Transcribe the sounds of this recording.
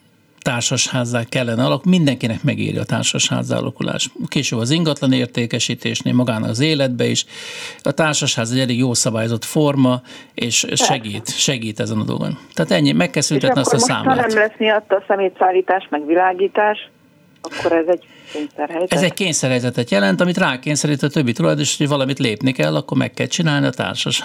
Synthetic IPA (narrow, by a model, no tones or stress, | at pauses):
t̪aːrʃoʃhaːzːaːkːɛlːɛnɛɒlɒkumind̪ɛŋkinɛkmɛɡḭːɾjḭɒ̰t̪a̰ːrʃoʃha̰ːzːa̰ːlɒ̰kulʔa̰ːʃkeːʃøːbɒziŋɡɒt̪lɒneːrt̪eːkɛʃiːt̪eːʃnḛːlmɒɡaːnɒ̰kɒzeːlɛd̪̚bɛiʃɒt̪aːrʃoʃhaːzɛɟɛleːɡjoːlsɒbaːjozo̞t̪formɒeːʃʃɛɡiːt̪ʃɛɡiːt̪ɛzɛnɒd̪o̰l̰ɡo̰nt̪aːt̪ɛɲːimɛkːɛlsynt̪ɛtniɒst̪sa̰ːm̰nɛmlɛsmijɒt̪ːɒsɛmeːt̪saːlːiːt̪aːʃmɛɡʋilaːɡiːt̪aːʃ | ɒkːoɾɛzɛɟ | keːɲsɛrɦɛjzɛzɛɟ̚keːɲsɛrhɛjzɛt̪ɛt̪jɛlɛnt̪ɒmit̪raːkeːɲsɛɾiːt̪iːt̪øbːit̪ulɒjd̪onʃt̪o̥ovɒlɒmit̪leːpnikɛlːɒkːo̞rmɛ̰kːɛ̰lt͡ʃinaːlniɒt̪a̰ːrʃɒʃ